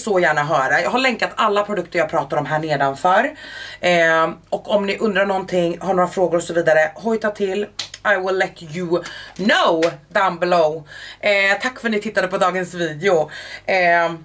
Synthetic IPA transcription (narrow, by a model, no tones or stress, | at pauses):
soːjæːɳaɦœːɾajɑːɡɦaɭɛŋkat̪ʰalːapʰɾʊd̪ɵk̚t̪əɾjɑːɡ̚pʰɾɑːt̪ad̪ɔmɦæːɳeːd̪anfœɾɛɔkːɔmnɪʔɵnd̪ɾaɳɔnt̪ʰɪŋːhaɳoːɾafɾoːɡʊɾɔksɔviːd̪aɾəhɔjt̪ʰat̪ʰɪlːʔajwɪlːɛt̪jɵnoʊd̪ambɛloʊɛt̪ʰakːfœʈnɪt̪ʰɪt̪ːad̪əpʰɔd̪ɑːɡənsviːd̪ɪʊɛ